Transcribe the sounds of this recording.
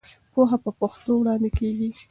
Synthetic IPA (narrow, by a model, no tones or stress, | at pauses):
poɦapəpoxt̪owɽɑnd̪ɪkeɡi